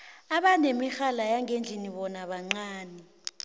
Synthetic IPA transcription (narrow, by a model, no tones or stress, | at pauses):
aɓanemixalajaŋʱend͡ɮʱiniɓɔnaɓaŋ͡ǀaːnɛ